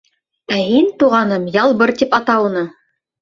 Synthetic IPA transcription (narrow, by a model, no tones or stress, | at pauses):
æhint̪uʁɑnɤmjɑlˠbɤɾt̪ipɑt̪ɑunɤ